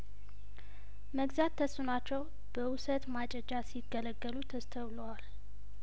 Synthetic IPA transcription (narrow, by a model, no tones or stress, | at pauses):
məɡzat̪ʰːəsunat͡ʃːɛw | b̥əʔʊsət̪mat͡ʃʼɛd͡ʒasiɡələɡːəlut̪ʰəst̪ʰəβləwal